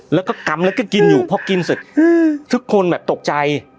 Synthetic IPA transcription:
lɛː˦˥wkɔː˥˩ka˧˩mlɛ˦˥wka˥˩ki˧njuː˨˩pʰɔː˧˥˩ki˧nsu˨˩t̪̚ːt̪ʰɯ˦˥kʰːo˧nbɛː˨˩p̚t̪o˨˩k̚t͡ɕa˧j

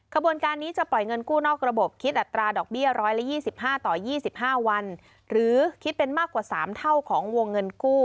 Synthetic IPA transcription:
kʰa˧bu˧ənkaː˧nːiː˦˥t͡ɕa˨˩pɔ˨˩jŋɤ˧nkuː˥˩nɔː˥˩k̚ɾa˧bo˨˩p̚kʰi˦˥t̪̚ʔa˨˩t̪ːɾaː˧dɔː˨˩k̚bi˥˩əɾɔː˦˥jla˦˥jiː˥˩si˨˩p̚ɦaː˥˩t̪ɔː˨˩jiː˥˩si˨˩p̚ɦaː˥˩wa˧n | ɾɯː˩˦kʰi˦˥t̪̚pe˧nmaː˥˩kwaː˨˩saː˩˦mt̪ʰa˥˩wkʰɔː˩˦ŋwo˧ŋːɤ˧nkuː˥˩

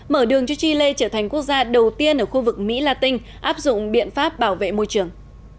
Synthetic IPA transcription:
məː˧˩ɗɨ˨˩əŋt͡ɕɔ˧t͡ɕi˧le˧t͡ɕəː˧˩t̪ʰa˨˩jŋ̟ku˦˥ək̚zaː˧ɗə˨˩wt̪i˧ənʔəː˧˩xu˧vɨ˨˩k̚mḭ˧˥laː˧t̪ï˧ŋ̟ | ʔaː˦˥p̚zʊ̰˧˨ŋ͡mɓḭ˧˨ənfaː˦˥p̚ɓaː˧˩wvḛ˧˨mo˧jt͡ɕɨ˧˩əŋ

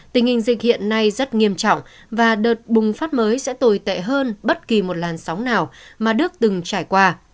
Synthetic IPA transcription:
t̪ï˨˩ŋhï˨˩ŋ̟zï˨˩hḭ˧˨ənːa˧jzə˦˥t̚ŋi˧əmt͡ɕɔ̰˧˨wŋ͡m | vaː˨˩ɗəː˨˩t̚ɓʊ˨˩ŋ͡mfaː˦˥t̚məː˨˦jsɛ̰˧˥t̪o˨˩jt̪ḛ˧˨ɦəː˧nɓə˦˥t̚ki˨˩mo˨˩t̚laː˨˩nsa˨˦wŋ͡mnaː˨˩wmaː˨˩ɗɨ˦˥ək̚t̪ɨ˨˩ŋt͡ɕaː˧˩jkwaː˧

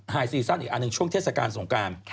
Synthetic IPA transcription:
haː˧jsiː˧sa˥˩nʔiː˨˩ʔa˧nɯ˧ŋt͡ɕʰu˥˩əŋʰeː˥˩t̚sa˧kaː˧nso˩˦ŋkɾaː˧nʰ

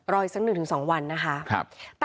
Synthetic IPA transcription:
ɾɔː˧jsa˦˥k̚nɯ˨˩t̪ʰɯ˩˦sɔː˩˦ŋwa˧nːa˦˥kʰa˦˥kʰt̪

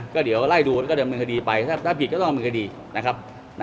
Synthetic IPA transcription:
kɔː˥˩di˩˦wla˥˩jduː˧˩kɔː˥˩dɤː˧nmɯː˧ŋkʰa˧diː˧pa˧jt̪ʰaː˥˩t̪ʰaː˥˩pʰi˨˩kɔ˥˩ɔ˥˩˨mː˧ŋkʰa˧diː˧ | na˦˥kʰa˦˥p̚ | n˦

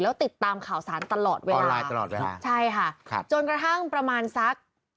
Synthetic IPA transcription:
lɛː˦˥wt̪i˨˩t̪ːaː˧mkʰaː˨˩˦wsaː˩˦nt̪a˧lɔː˨˩t̪̚weː˧lnlaː˧jːt̪a˧lɔ̰ː˨˩t̪̚wḛː˧la̰ː˧t͡ɕʰa˥˩jkʰa˥˩kʰa̰˧˩t͡ɕo˧nkɾa˧t̪ʰa˥˩ŋpɾa˧maː˧nsa˦˥k̚

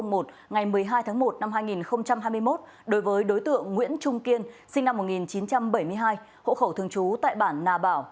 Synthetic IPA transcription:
ŋ͡mmo˨˩t̚ | ŋa˨˩jmɨ˨˩əjɦaː˧jt̪ʰaː˨˦ŋmo˨˩t̚na˧mɦaː˧jŋi˨˩nxə˧wŋ͡mt͡ɕa˧mhaː˧jmɨ˧əjmo˦˥t̚ | ɗo˨˦jvəː˨˦jɗo˨˦jt̪ɨ̰˧˨əŋːwḭ˧˥ənt͡ɕʊ˧ŋ͡mki˧ənsï˧ŋ̟na˧mːo˨˩ŋi˨˩nt͡ɕi˨˦nt͡ɕa˧mɓə˧˩jmɨ˧əjɦaː˧j | ho̰˧˨xə˧˩wt̪ʰɨ˧əŋt͡ɕu˨˦t̪a̰ː˧˨jɓaː˧˩nːaː˨˩ɓaː˧˩w

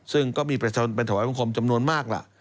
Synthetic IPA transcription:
sɯ˥˩ŋkɔː˥˩miː˧pɾa˧t͡ɕʰa˧o˧npe˧nt̪ʰa˧˩wa˦ba˧ŋkʰo˧mt͡ɕa˧mnu˧ənmaː˥˩k̚la̰˨˩ʔ

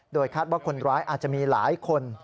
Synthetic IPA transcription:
doː˧jkʰaː˥˩t̪̚waː˥˩kʰo˧nɾaː˦˥jʔaː˨˩t̪̚t͡ɕa˨ʔmiː˧la̰ː˩˦jkʰo˧n

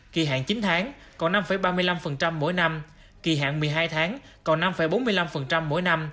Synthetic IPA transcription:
ki˨˩ɦa̰ː˧˨ŋt͡ɕi˨˦nt̪ʰaː˨˦ŋ | kɔ˨˩na˧mfə˨˧˩jɓaː˧mɨ˧əla˧mfə˨˩nt͡ɕa˧mːo̰˧˥jna˧m | ki˨˩ɦa̰ː˧˨ŋmɨ˨˩əjɦaː˧jt̪ʰaː˨˦ŋ | kɔ˨˩na˧mfə˨˧˩jɓo˨˦nmɨ˧əjla˧mfə˨˩nt͡ɕa˧mːo̰˧˥jna˧m

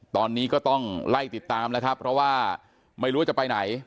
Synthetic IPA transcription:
t̪ɔː˧nːiː˦˥kɔː˥˩t̪ɔ˥˩ŋla˥˩jt̪i˨˩t̪ːaː˧mnɛ˦˥kʰɾa˦˥pʰːɾɔ˦˥waː˥˩ | ma˥˩jɾu˦a˥˩t͡ɕa˨˩pa˧jna˩˦j

